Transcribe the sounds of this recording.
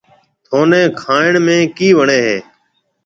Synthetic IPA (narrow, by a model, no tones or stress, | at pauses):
t̪ʰoːnẽːkʰaːɪɳmẽːkiːʋəɳeːɦḛː